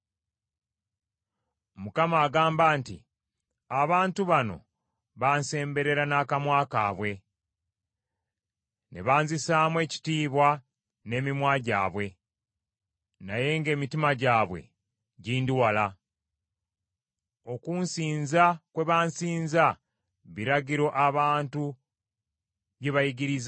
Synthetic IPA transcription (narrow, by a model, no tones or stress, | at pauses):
mukamaːɡaːmbaːntḭ | aβaːntuβano̞̰ | βaːnse̞ːmbe̞ɾe̞ɾanaːkamwaːkaːβwe̞ | nḛβaːnzisaːmwe̞ːci̥tiːβwa | ne̞ːmimwaɟa̰ːβwe̞ | naje̞ŋɡe̞ːmitimaɟaːβwe̞̰ | ɟiːndiwala | o̞kunsiːnzakwe̞βaːnsiːnza | βiɾaɟiɾo̞ʔaβaːntu | βjeβajiɡiɾiz